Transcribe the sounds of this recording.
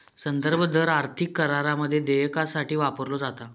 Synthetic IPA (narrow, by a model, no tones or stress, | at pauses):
sənd̪əɾbʱəd̪əɾaɾt̪ʰikːəɾaɾaməd̪ʱːjed̪ejkasaʈiːʋapəɾlod͡zat̪a